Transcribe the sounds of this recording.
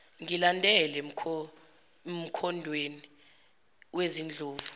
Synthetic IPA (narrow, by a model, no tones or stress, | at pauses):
ŋilandʱɛlɛ | m̩kʰɔndʱweni | wezind͡ɮʱoːvu